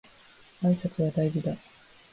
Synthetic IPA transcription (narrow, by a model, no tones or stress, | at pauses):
aisat͡sɨβad̪aiɡʲid̪a